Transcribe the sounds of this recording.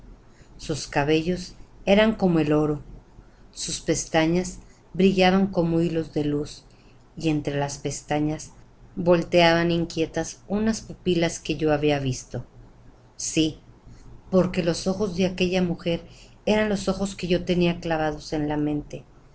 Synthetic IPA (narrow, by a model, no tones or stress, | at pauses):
suskaβe̞ʝo̞se̞ɾaŋko̞mo̞e̞lo̞ɾo | suspe̞st̪aɲas | bɾiʝaβaŋko̞moilo̞zðe̞lus | ie̞nt̪ɾe̞laspe̞st̪aɲasβo̞lt̪e̞aβaniŋkje̞t̪asunaspupilaske̞ʝo̞aβiaβist̪o̞ | si | po̞ɾke̞lo̞so̞xo̞zðe̞ake̞ʝamuxe̞ɾ | e̞ɾanlo̞so̞xo̞ske̞ʝo̞t̪e̞niaklaβaðo̞se̞nlamẽ̞nt̪e̞